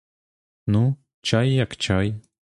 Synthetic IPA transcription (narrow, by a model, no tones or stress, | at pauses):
nu | t͡ɕajːakt͡ɕaj